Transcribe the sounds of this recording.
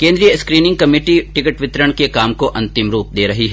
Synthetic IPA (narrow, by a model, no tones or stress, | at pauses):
kẽːnd̪ɾijəskɾiːnɪ̃ŋɡ̚kɐmeːʈiʈɪkəʈʋɪt̪ɾəɽ̃kekaːmkoʔɐ̃nt̪ɪmɾuːp̚d̪eːɾɐɦiɦɛ